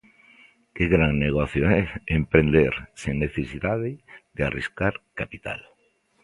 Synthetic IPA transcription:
kɪɣɾaŋneɣɔθjoɛempɾend̪eɾseŋneθesiðaðɪðɪariskaɾkapit̪a̰l

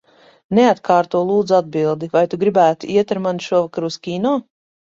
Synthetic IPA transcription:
neat̪kaːɾt̪uɔlˠuːd̪zad̪̚bilˠd̪ivajt̪uɡɾibæːt̪iiɛt̪aɾmanʃuɔvakaɾuskʲiːnɔː

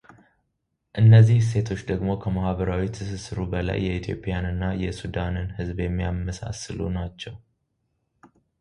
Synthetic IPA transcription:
ʔɨnːəzːihse̞t̪ʰo̞t͡ʃːd̪əɡmo̞kʰəmahbəɾawit̪ʰɨsɨsɨɾubəla̰jːɛit̪ʰjo̞̰pʼijanɨnːajɛsud̪anɨnhɨzbjɛmːijamːəsa̰sɨlṵnat͡ʃːɛw

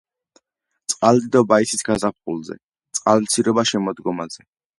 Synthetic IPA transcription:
t̪sʼqʼald̪id̪ɔbaisisɡazap̚χʼṵlˠzɛ̰ | t̪sʼqʼalt̪sʰiɾɔbaʃɛmɔd̪ɡɔmazɛ

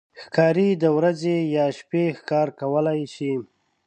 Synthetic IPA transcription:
xkɑːɾid̪əwɾazejɑʃpexkɑɾkawəlajʃi

